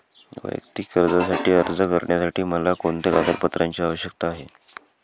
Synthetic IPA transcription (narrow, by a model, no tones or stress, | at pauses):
ʋ̰jə̰kt̪ikːəɾd͡zasaʈiːəɾd͡zəkəɾɳjasaʈiːməlakoɳt̪eɡad̪əɾpət̪ɾaɲt͡ɕiːaʋəɕjək̚t̪aːɦe